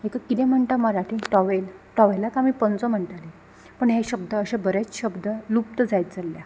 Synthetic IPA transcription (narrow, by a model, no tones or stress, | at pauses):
ɦekakːit̪ɛ̃m̤əɳʈ̪aməɾaʈʰĩʈɔʋelʈɔʋelakamiːpənt͡sɔm̤əɳʈale | pəɳɦeɕəb̚d̪əːɕãbəɾet͡sɕəbd̪əlupt̪əd͡zajt̪̚d͡zalːja